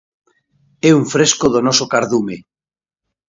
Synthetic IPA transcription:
ɛuɱfɾeskoðonɔsokaɾðume

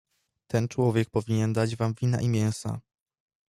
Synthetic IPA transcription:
t̪ɛnt͡ʂwɔvʲjɛk̚pɔvʲiɲɛnd̪ad͡ʑvamvʲina̰ʔimʲjɛ̃w̃sa̰

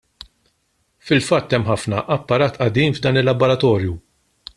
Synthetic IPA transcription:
fɪlfɐt̪ːɛmːħɐfnɐʔɐpːɐɾɐːt̪ʔɐd̪iːmvd̪ɐːnɪlːɐbɔɾɐt̪ɔːɾju

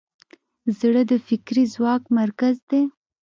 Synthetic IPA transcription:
zɽəd̪əfɪkɾizwɑkmaɾkazd̪e

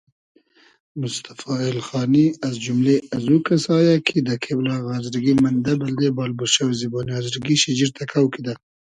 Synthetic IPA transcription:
mʊst̪ḁfɑɪlxɑːniazd͡ʒumleazukasɑjɑkʰid̪əkʰeblɑɣazɾɡimand̪abald̪ebɑːlbuʃawziboniazɾɡiʃɪd͡ʒiɾt̪ʰakʰawkid̪a

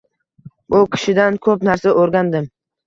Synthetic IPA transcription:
bʊkʲʰɪ̥ʃɪd̪ankʰɵpnaɾsaʔoɾɡʲand̪ɪm

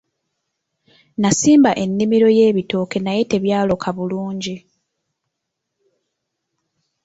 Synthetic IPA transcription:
nasiːmbaʔe̞nːimiɾo̞je̞ːβito̞ke̞naje̞te̞βjaːlo̞kʰaβuluːɲɟi

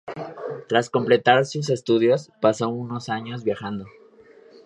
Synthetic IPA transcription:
t̪ɾasko̞mple̞t̪aɾsus̬e̞st̪uðjo̞spaso̞uno̞saɲo̞zβjaxand̪o̞

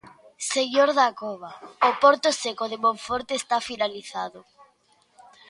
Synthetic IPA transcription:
seɣjoɾðakoβ̞aopoɾt̪osekoðemõɱfoɾt̪eːst̪afinaliθaðʊ

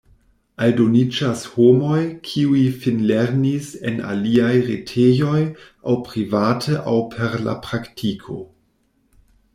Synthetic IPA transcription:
aldonid͡ʒashomo̞jkʰiuifinleɾnisena̰liajɾetʰejo̞j | awpɾivatʰəʔawpʰe̞ɾla̰pɾaktʰikʰo̞̰

